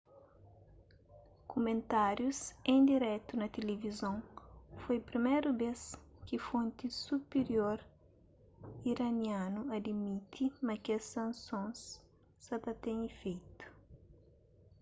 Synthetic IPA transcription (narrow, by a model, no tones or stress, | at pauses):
kumẽnt̪aɾjusẽnd̪iɾɛt̪unɐt̪elevizõŋfojpɾimejɾubeskifõnt̪isupeɾjoɾ | iɾɐnjãnuɐd̪imit̪ʰimɐkesɐ̃nsõs | sɐt̪ɐt̪ẽɲifejt̪u̥